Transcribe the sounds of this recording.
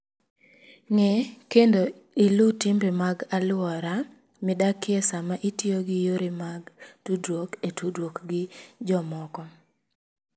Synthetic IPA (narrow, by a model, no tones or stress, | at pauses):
ŋɛkendo | ilutimbemaɡalʊɔɾa | mɪdakjesamaʔitjoɡɪjoɾimaɡtudɾwoketudɾwokɡɪd͡ʒɔmɔkɔ